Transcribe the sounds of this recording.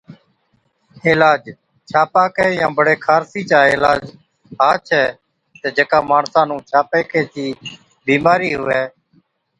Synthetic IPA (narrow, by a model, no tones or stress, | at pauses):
eːlaːd͡ʒ | t͡ʃʰaːpaːkɛːjãːbəɽeːkʰaːɾsiːt͡ʃaːeːlaːd͡ʒ | ɦaːt͡ʃʰɛː | t̪eːd͡ʒekaːmaːɳsãːnũːt͡ʃʰaːpeːkʰeːt͡ʃiː | biːmaːɾiːɦʊʋɛː